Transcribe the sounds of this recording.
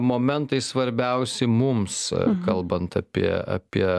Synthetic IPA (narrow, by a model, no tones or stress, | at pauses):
moːmʲɛnt̪ɐɪsʋɐɾʲbʲɛʊsʲɛɪmumskɐlˠbɐnt̪ɐpʲḭɛɐ̰ːpʲiɛ